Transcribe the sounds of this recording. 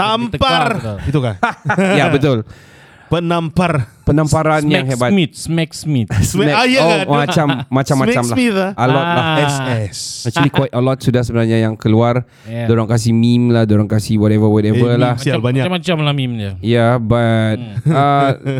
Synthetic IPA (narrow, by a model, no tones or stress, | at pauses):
aməparit̪ukajabət̪ʊl | pənamparpənãmpaɾanjaŋhebamit̪̚smɛk̚smit̪ɛjaomat͡ʃamːat͡ʃamːat͡ʃamlaiəlɔt̚laɛsɛsat͡ʃwalikwait̚əlɔt̪̚sudahsəbənarɲajaŋkəluar | doɾaŋkas̬imimlahdoɾaŋkasiwɔtɛvəwɔtɛvəlahaaaat͡ʃamat͡ʃamlahmimd͡ʒajabat̪̚ə